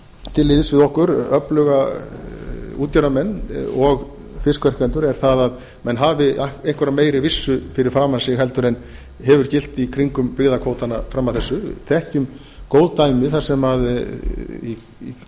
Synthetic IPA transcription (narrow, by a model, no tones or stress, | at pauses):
t̪ʰɪlːɪðsvɪðɔhkʏɾœplœɣa | uːt̪caɾamɛnːɔɣ | fɪskvɛr̥kɛnt̪ʏɾɛɾ̥θaðað | mɛnɦaːvɪaejŋkʰvɛɾameːjɾɪvɪsːʏfɪɾɪɾ̥fɾaːmansɪɦɛl̪t̪ʏɾɛn | ɦɛvʏɾ̥cɪl̥t̪ikʰɾiŋkʏmpɾɪɣðakʰoːwt̪anafɾamːaðθɛsːʏθɛhc̪ʏm | koːwðt̪aːjmɪθaɾ̥sɛmað | ḭ